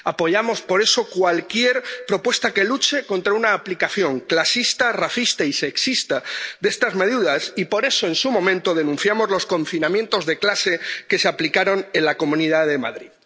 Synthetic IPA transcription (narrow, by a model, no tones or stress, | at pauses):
apo̞ʝamo̞spo̞ɾe̞so̞kwalkje̞ɾpɾo̞pwe̞st̪ake̞lut͡ʃe̞ko̞nt̪ɾaunaːplikaθjo̞ŋklasist̪araθist̪aise̞ksist̪aðe̞st̪azme̞ð̞uðasipo̞ɾe̞so̞e̞nsumõ̞mẽnt̪o̞ð̞e̞nũn̟θjamo̞zlo̞skõ̞ɱfinãmje̞nt̪o̞zðe̞klase̞ke̞seaplikaɾo̞ne̞nlako̞mũniðaðe̞maðɾið